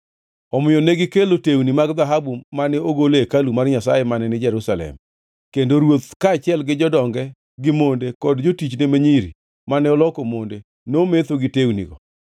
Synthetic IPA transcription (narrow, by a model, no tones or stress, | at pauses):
ɔmɪjɔneɡɪkelotewnimaɡd̪aɦabumanɛoɡolekalumarɲasajemanɛnɪd͡ʒɛɾusalɛ̰m | kendoɾwot̪kaːt͡ʃɪɛlɡɪd͡ʒɔdɔŋɡɛ | ɡɪmondekɔdd͡ʒotit͡ʃnemeɲiɾḭ | manɛɔlɔkomonde | nomet̪oɡɪtewnḭɡɔ